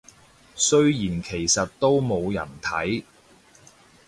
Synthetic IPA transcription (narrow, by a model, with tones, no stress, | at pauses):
sɵ˥ɥjiː˨˩nkʰe˨˩jsɐ˨t̚t̪o˥wmo˨˧wjɐ̰˨˩nt̪ʰɐ˨˥j